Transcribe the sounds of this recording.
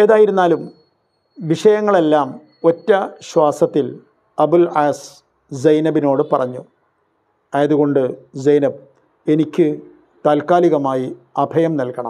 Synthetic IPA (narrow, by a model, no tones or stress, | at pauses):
eðaːjiɾunːaːlum | ʋiʂɐjɐŋːɐɭe̞lːaːm | o̞tːɐɕwaːsɐt̪ːil | ɐbulaːs | d͡ʑɐjnɐbino̞ːɽɨpɐrɐɲːu | ɐjɐðuɣo̞ɳɖɨd͡ʑɐjnɐb | e̞nikʲːɨ | t̪aːlkaːliɣɐmaːjiɐbʱɐjɐmnɐlkɐɳɐ̰m